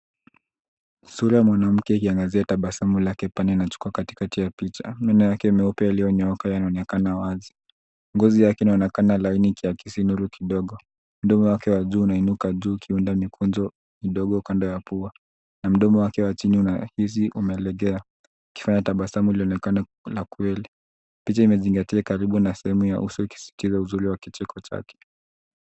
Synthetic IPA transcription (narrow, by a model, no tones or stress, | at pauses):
suɾajamwanam̩kɛikiaŋɡaziataɓasamulakɛpanɛinat͡ʃu̥kuakati̥katijapit͡ʃa̰mɛnɛjakɛimɛupɛaliɔɲaakajanaɔnɛkanawazi | ŋɡɔzijakɛinaɔnɛkanalainikʰiakʰisinuɾukʰiɗɔɠɔ | m̩ɗɔmɔwakɛwaʄuːnainukaʄuːkʰiundamikunzɔ | miɗɔɠɔukandɔjapua | nam̩ɗɔmɔwakɛwat͡ʃiniunahis̬iʔumɛːlɛɠɛaː | ki̥faɲataɓasamuiliɔnɛkana | lakwɛli | pit͡ʃaimɛziŋɡatiakaɾiɓunasɛhɛmuja̰ʔṵsɔiki̥si̥tizauzuɾiwakit͡ʃɛkʰɔt͡ʃa̰kɛ̥